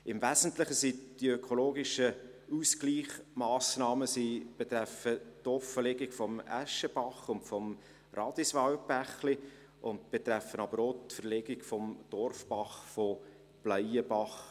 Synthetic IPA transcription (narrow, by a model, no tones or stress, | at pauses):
ɪmvæzən̩tlɪχəsid̥iøkʰoloːɡɪʃə | uskliːχmɑːsnɑːməsib̥et̪ɾæfətɔfəleɡɪkfɔmæ̰ʃəb̥ɑχʊntfɔm | rɑdisʋɑwbæχli | ʔʊntb̥et̪ɾæfənɑbəɾotfəɾleɡɪkfɔmd̥ɔrfbɑχfɔ | b̥lœjəbɑχ